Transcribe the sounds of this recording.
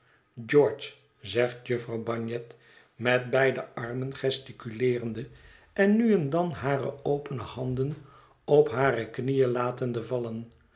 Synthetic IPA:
d͡ʒɔɹt͡ʃ | zɛχtjɵfrɑwbɑɹnjɛt | mɛt̚bɛjdəʔɑrmənχɛstikylɪːrəndə | ɛnːyɛndɑnɦaːrə̰owpənəhɑndən | ɔpɦaːrəknijəlaːtəndəvɑlən

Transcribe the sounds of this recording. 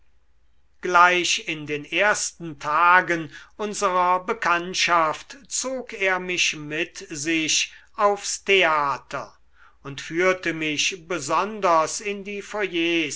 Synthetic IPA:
ɡ̥laɪʃɪndeːneːɐstn̩tʰaːɡənʊnzəʁɐbəkʰantʃaftt͡soːkeːɐmɪʃmɪtzɪɕ | aʊfstʰeaːtʰɐ | ʊntfyːɐtəmɪʃbəzɔndɐsɪndiːfɔjeː

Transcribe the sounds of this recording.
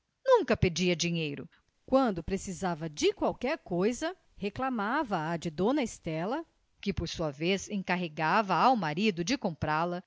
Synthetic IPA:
nũkɐped͡ʒiɐd͡ʒiɲejɾʊ | kwɐ̃nd̪ʊpɾesizavɐd͡ʒɪkwawkɛɾkojzɐ | heklamavɐːd͡ʒɪd̪õnɐest̪ɛlɐ | kɪpoɾsuɐvezẽkaɦeɡavɐawmaɾid̪ʊd͡ʒɪkõmpɾalɐ

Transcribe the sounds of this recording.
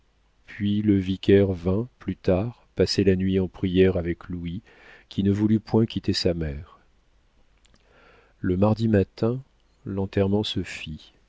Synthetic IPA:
pɥiləvikʲɛʁvɛ̃plyt̪aʁpaselanɥiɑ̃pχijɛʁavɛklui | kʲʰinəvulypwɛ̃kʲit̪esamɛːʁ | ləmaʁd̪imat̪ɛ̃ | lɑ̃t̪ɛʁmɑ̃səfi

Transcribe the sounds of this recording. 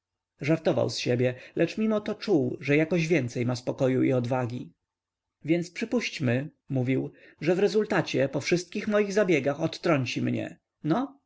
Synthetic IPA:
ʐaɾt̪ɔva̰wsɕɛbʲjɛlʔɛt͡ʂmʲimɔt̪ɔt͡ʂuwʐɛjakɔʑvʲjɛnt̪sɛjmaspɔkɔjuḭɔd̪vaɡʲi | vʲjɛnt̪spʂɘpuɕt͡ɕmɘ | muvʲiw | ʐɛvɾɛzult̪at͡ɕɛpɔfʂɘst̪̚kʲixmɔjiɣzabʲjɛɡaxɔt̪ːɾɔɲt͡ɕimɲɛ̰ | nɔ

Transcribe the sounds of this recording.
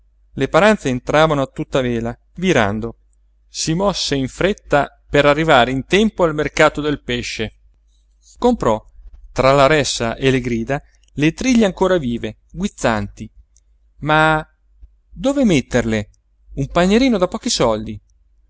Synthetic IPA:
lepaɾant̪seːnt̪ɾaːvanoat̪ːut̪ːaveːla | miɾa̰nd̪o | simɔsːeiɱfɾet̪ːa | peɾarːivaːɾeint̪ɛmpoalmerkaːt̪od̪elpeʃːe | kompɾɔt̪ɾalaɾɛsːaʔeleɡɾiːd̪a | let̪ɾiʎːeaŋkoːɾaviːve | ɡwit̪sːant̪i | ma | d̪oːvemet̪ːerle | umpaɲːeɾiːnod̪apɔːkisɔld̪i

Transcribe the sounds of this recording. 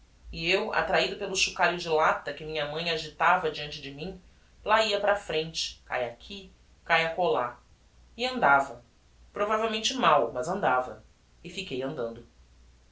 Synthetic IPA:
iewa̰t̪ɾaid̪ʊpelʊʃukaɾjʊd͡ʒɪlat̪ɐkɪmĩɲɐmɐ̃j̃aʒit̪avɐd͡ʒiɐ̃nt͡ʃɪd͡ʒɪmĩ | laiɐpɾɐfɾẽnt͡ʃɪ̥ka̰jakʲʰi | kajɐkola | ɪɐ̃nd̪avɐ | pɾovavewmẽnt͡ʃɪmawmɐzɐ̃nd̪avɐ̰ | ɪfikejɐ̃nd̪ɐ̃nd̪ʊ

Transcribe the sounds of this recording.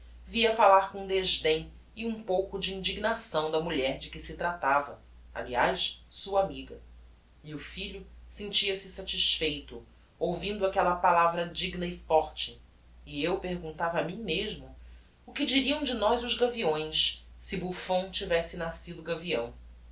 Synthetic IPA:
viɐfalaɾkõũd̪eʒd̪ẽj̃ | ɪũpowkʊd͡ʒɪĩnd͡ʒiɡnasɐ̃w̃d̪ɐmuʎɛɾd͡ʒɪkɪsɪt̪ɾat̪avɐ̰ | a̰lia̰jʃsuɐamiɡɐ | meʊfiʎʊsẽnt͡ʃiɐsɪsat͡ʃiʃfejt̪ʊ | owvĩnd̪ʊakɛlɐpalavɾɐd͡ʒiɡnɐɪfɔɾt͡ʃɪː | ewpeɾɡũnt̪avɐmĩɲ̃meʒmʊ | ʊkɪd͡ʒiɾiɐ̃w̃d͡ʒɪnɔjzʊzɡaviõj̃ssɪbufõw̃t͡ʃivɛsɪnasid̪ʊɡaviɐ̰̃w̃

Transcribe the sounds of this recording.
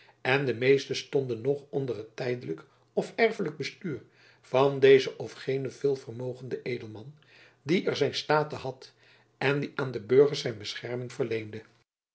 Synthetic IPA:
ɛndəmejstəstɔndənɔχɔndərətɛjdələk | ɔfɛɹfələɡ̚bəstyːɹ | vɑndejzəʔɔfχejnəvɪːlˠvərmowχəndəʔejdəlˠmɑn | diʔɛɹzɛjnstaːtəɦɑt | ɛndiʔaːndəbøɹχəɹzɛjnbəsχɛrmɪŋvərlejndə

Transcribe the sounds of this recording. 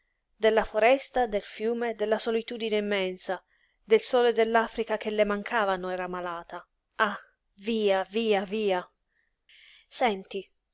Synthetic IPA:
d̪elːafoɾɛst̪ad̪elfjuːmed̪elːasolit̪uːd̪ineimːɛnsa | d̪elsɔːled̪elːaːfɾikak̟elːemaŋkʰaːvanoɛːɾamalaːt̪a | a | viːaviːaviːa | sɛnt̪i

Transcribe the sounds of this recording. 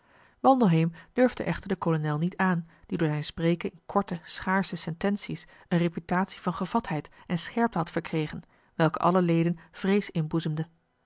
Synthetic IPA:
ʋɑlˠdoɦejmd̥øɹvdə̰ʔɛχtəɹdəkolonɛlˠnitaːnd̥idʊːɹzɛjnspreːkənɪnkʰɔɹtəsχaːɹsəsɛntɛnsis | ənrepytaːtsi̥vɑnχəvɑtɦɛjtɛnsχɛɹp̚təɦɑtfəɹkrejχən | ʋɛlˠkə̰ʔɑ̰ləlejdənv̥rejsɪnbuzəmdə

